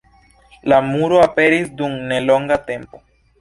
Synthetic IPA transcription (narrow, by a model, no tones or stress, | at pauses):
lamuɾoape̞ɾisdumne̞lo̞ŋɡat̪e̞mpo̞